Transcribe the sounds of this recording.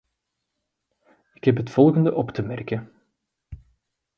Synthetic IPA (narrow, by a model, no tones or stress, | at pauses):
ɪ̥kɦɛpɦətfɔlˠɣəndəʔɔptəmɛrkən